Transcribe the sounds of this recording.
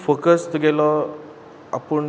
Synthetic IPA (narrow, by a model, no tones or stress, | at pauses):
fokəst̪ɡelɔ | apəɳ